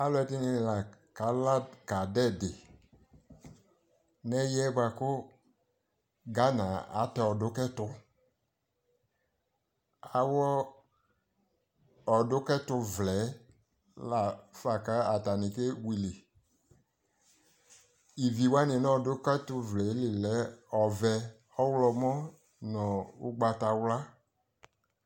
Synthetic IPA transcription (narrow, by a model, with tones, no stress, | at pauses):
a˦lɛ˨˦tɪ˦nɪ˧˨la˨ka˨˦la˦dka˨dɛ˦˨dɪ˨ | nɛ˦jɛ˦ɡ͡ba˧kʊ˦ | ɡa˦nã˨a̰˨˦tɛ˨ɔ˨dʊ˦kɛ˦tʊ˦ | a˨wɔ˦ | ɔ˨dʊ˦kɛ˦tʊ˦vlɛ˨˦ | la˨fa˨ka˦a˨ta˨nɪ˨ke˦wi˨lɪ˨ | i˨vi˨wa˦nɪ˨nɔ˦ɔ˨dʊ˦kɛ˦tʊ˦vlɛ˨˦lɪ˨lɛ˨˦ɔ˨vɛ˨ | ɔ˦wlɔ˧mɔ˦ | nɔ̃˨ʊ̰˦ɡ͡ba˧ta˨wla˦